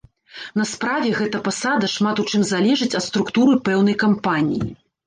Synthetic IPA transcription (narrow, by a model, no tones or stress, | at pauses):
nɐspɾavʲɛɣɛt̪ɐpasad̪ɐʂmat̪ut͡ʂɨmzalʲɛʐɨt͡sʲɐt̪st̪ɾukt̪uɾɨpɛwn̪ɐjkampanʲḭjḭ